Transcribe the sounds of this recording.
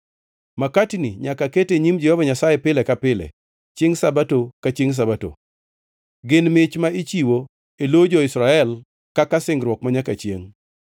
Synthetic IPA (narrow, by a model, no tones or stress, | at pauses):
makatiniɲakaketeɲimd͡ʒɛhɔvaɲasajɛpɪlɛkapɪlɛ̰ | t͡ʃeŋsabatokat͡ʃeŋs̬abato̰ | ɡɪnmɪt͡ʃmait͡ʃiwo | elod͡ʒɔɪsɾaɛl | kakasɪŋɾwɔkmaɲakat͡ʃjeŋ